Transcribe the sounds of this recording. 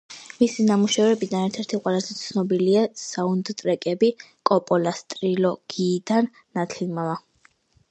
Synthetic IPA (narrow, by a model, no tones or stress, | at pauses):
misinamuʃɛvɛbid̪anɛɾt̪ʰɛɾt̪ʰiqʼwɛlˠazɛt̪sʰnɔbiliasaund̪t̪ʼɾɛkʼɛbikʼɔpʼɔlast̪ʼɾilɔɡ̥iːd̪anːat̪ʰilmava